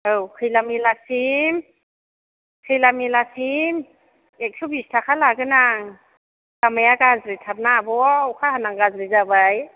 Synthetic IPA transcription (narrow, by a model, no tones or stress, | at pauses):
ɯwkʰɯjlamilasim | kʰɯjlamilasim | ek̚sʰubistʰakʰalaɡɯnaŋ | lamajaɡazɾitʰap̚nabɔwkʰahanaŋɡazɾizabaj